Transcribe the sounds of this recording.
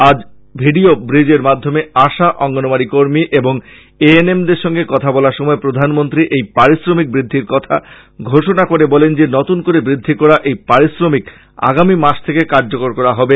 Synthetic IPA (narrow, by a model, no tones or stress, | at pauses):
ad͡ʑ | bʱiɖiobɾid͡ʑeɾmad̪ʱːomeaʃaʔɔŋɡonomaɾikoɾmiʔeboŋ | eenemd̪eɾʃɔŋɡekɔt̪ʰabɔlaɾʃɔmɔepɾod̪ʱanmont̪ɾiʔejpaɾisɾomik̚bɾid̪ʱːiɾkɔt̪ʰa̰ | ɡʱoʃonakoɾebɔlend͡ʑenɔt̪unkoɾebɾid̪ʱːikɔɾaʔejpaɾisɾomik | a̰ɡamimaʃt̪ʰekekaɾd͡ʑokoɾkɔɾaɦɔbe